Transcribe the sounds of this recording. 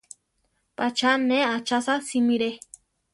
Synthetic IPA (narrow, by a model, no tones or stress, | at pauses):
pʼat͡ʃʰaneat͡ʃasasimiɾe